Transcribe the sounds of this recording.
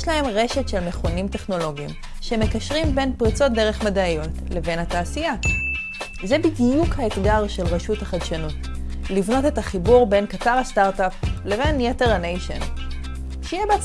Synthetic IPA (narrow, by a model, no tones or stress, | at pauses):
ʃlahe̞mʁe̞ʃetʃe̞lmeχonimte̞χno̞lo̞ɡḭm | ʃeme̞kaʃʁimbe̞npʁit͡so̞t̚d̪e̞ʁe̞χmadajo̞tle̞ve̞nhataːsija | zebidijukhaet̪ɡaʁʃe̞lʁeʃuthaχadʃanut | livno̞te̞taχibuʁbe̞nkat͡saʁastaʁtaple̞ve̞njeteʁanejʃḛn | ʃejebeat͡s